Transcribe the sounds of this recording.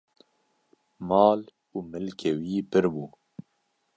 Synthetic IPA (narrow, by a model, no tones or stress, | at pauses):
mɑːl | uːmɨlkʰewiːpɨɾbuː